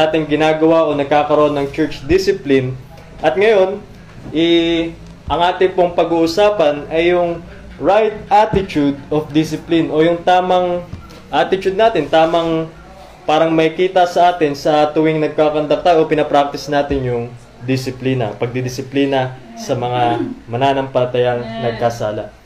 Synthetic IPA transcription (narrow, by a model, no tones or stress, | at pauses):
aːt̪ɪŋɡɪnaːɡɐwaʔo̞nɐɡ̚kaːkɐɾoʔonːɐŋt͡ʃɛt͡ʃd̪ɪsɪplɪn | ʔɐt̪̚ŋɐjo̞n | ʔɛ | ʔɐŋʔaːt̪ɪŋpo̞ŋpɐɡuːʔʊsaːpɐnɐjːʊŋ | ɹajt̪̚ʔat̪ɪt̪ud̪̚ofd̪ɪsɪplinʔo̞jʊŋt̪aːmɐŋ | ʔaːt̪ɪt͡ʃuʊd̪naːt̪ɪnt̪aːmɐŋ | paːɾɐŋmɐjkiːt̪ɐsɐʔaːt̪ɪnsɐt̪ʊwɪŋnɐɡ̚kakɐnd̪ɐk̚t̪aːjoʔopɪnɐpɾak̚t̪ɪsnaːt̪ɪŋjʊŋ | d̪ɪsɪpliːnɐ̰pɐɡ̚d̪ɪd̪ɪsɪpliːnɐ | sɐmɐŋamɐnaːnɐŋpɐlɐt̪ɐjɐŋnɐɡ̚kasaːlɐ̰